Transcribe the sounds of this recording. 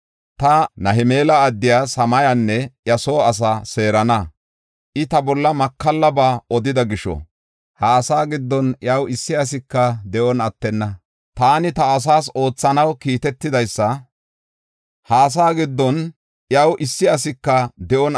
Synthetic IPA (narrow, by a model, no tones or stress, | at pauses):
t̪ɐnɐɦɪme̞ːlɐːd̪ːɪjaːsɐmɐjanːɛʔjɐso̞ːɐs̬ase̞ːɾɐnɐ | ʔɪt̪ɐbɔlːɐmɐkːɐlːɐbaːɔd̪ɪd̪ɐɡɪʃɔ̰ | haːsaːɡɪd̪ːɔnʔjaːwɪsːɪɐs̬ɪkːɐd̪ɛʔɔnɐt̪ːɛnːɐ | t̪aːnɪt̪ɐːs̬aːso̞ːt͡sːɐnɐwkiːt̪ɛt̪ːɪd̪ɐjsːɐ | haːs̬aːɡɪd̪ːɔn | ʔjawʔɪsːɪɐsɪkːɐd̪ɛʔɔn